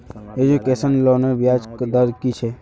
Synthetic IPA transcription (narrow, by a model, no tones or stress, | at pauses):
ed͡ʒukesənlonəʋjaːd͡ʒkd̪əɾkit͡ʃʰe